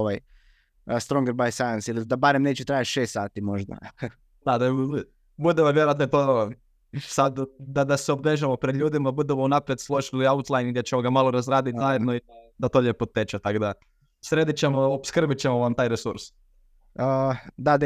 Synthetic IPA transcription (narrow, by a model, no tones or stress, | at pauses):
oʋaj | st̪ɾoŋɡeɾbajsajansilid̪abaɾemneːt͡ʃet̪ɾajat̪ʃeːst̪saːt̪imoʒd̪a̰ | d̪ad̪au | bud̪emoʋjeɾoat̪ot̪o | sad̪d̪ad̪aseobɾeʒamopɾed̪lʎʲuːd̪imaabud̪emounapɾijeslˠoʒiliaut̪lˠajniɡd̪ʲet͡ɕemoɡamalˠoɾazɾaːd̪it̪ʲzajed̪noid̪at̪oːʎepot̪et͡ʃat̪akod̪a | sɾed̪it͡ɕemoobskr̩bit͡ɕemoʋamt̪aːjɾesuɾs | əd̪ad̪